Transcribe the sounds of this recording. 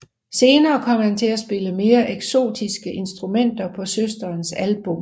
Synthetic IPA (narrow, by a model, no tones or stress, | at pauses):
se̝ːnɐːkʰɒ̽m̰hænt͡sʰe̝læsb̥e̝ləme̝ːɐʔeɡ̥so̝̰ːd̥isɡ̥əʔe̝nsd̥ʁumen̰d̥ɐpʰɒ̽søsd̥ɐːnsælb̥ɔ̽m